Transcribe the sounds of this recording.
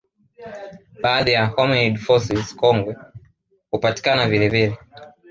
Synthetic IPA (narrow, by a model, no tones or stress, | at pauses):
ɓaːðijahɔmɔidfɔsizkɔŋɡwɛ | hupati̥kanavilɛvilɛ